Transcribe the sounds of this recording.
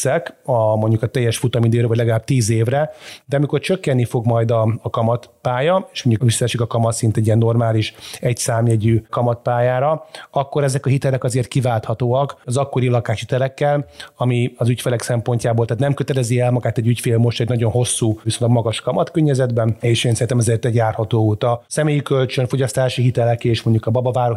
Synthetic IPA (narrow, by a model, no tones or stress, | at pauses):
sɛkɒmo̞ɲɟukɒt̪ɛjːɛʃfut̪ɒmid̪eːɾvɒɟlɛɡɒlaːb̚t̪iːzeːvrɛd̪ɛɒmiko̞rt͡ʃøkːɛnːifo̞ɡmɒjd̪ɒːkɒmɒt̪paːjɒeːʃmo̞ɲɟukvisːɒɛʃikɒkɒmɒt̪sint̪ɛɟːijɛnːo̞rmaːliʃɛcsaːmjɛɟyːkɒmɒt̪̚paːjaːɾɒɒkːo̞ɾɛzɛkɒɦit̪ɛlɛkɒzeːrt̪̚kivaːlt̪hɒt̪oːɒkɒzɒkːo̞ɾilɒkaːʃhit̪ɛlɛkːɛlɒmiɒzycfelɛksɛmpo̞ɲcaːboːlt̪aːt̪nɛmkøt̪ɛlɛziɛlmɒɡaːt̪ɛɟycfeːlmo̞ʃt̪ɛɟnɒɟo̞nɦo̞sːuːvisonlɡmɒɡɒʃkɒmɒt̪køɲːɛzɛd̪bɛneːʃeːnsɛit̪ɛmɛzeːrt̪ɛɟjaːrhɒt̪oːut̪ɒsɛmeːjikølt͡ʃønfo̞ɟɒst̪aːʃiɦit̪ɛlɛkeːʃmo̞ɲɟukɒbɒbɒvaːɾo